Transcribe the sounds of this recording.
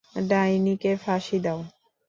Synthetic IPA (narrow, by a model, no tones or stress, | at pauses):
ɖainikefaʃid̪au